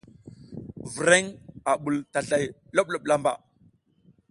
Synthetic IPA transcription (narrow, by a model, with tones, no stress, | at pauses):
vi˨ɾe˦ŋa˨ɓu˨lta˨ɬa˨j | lo˦ɓ̚lo˦˨ɓla˦mba̰˨